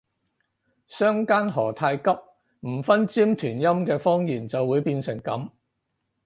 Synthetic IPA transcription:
sœː˥ŋkaː˥nɦɔː˨˩t̪ʰaː˧jkɐ˥p̚ | m̩˨˩fɐ˥nt͡siː˥mt̪ʰyː˨˩njɐ˥mkɛː˧fɔː˥ŋjiː˨˩nt͡sɐ˨wːuː˨˧jpiː˧nsɪ˨˩ŋkɐ˨˥m

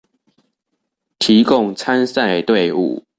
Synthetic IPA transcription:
t̪ʰi˨˦kʊ˥˨ŋt͡sʰa˦nsa˥˨ɪt̪we˥˨ɪṵ˥˨

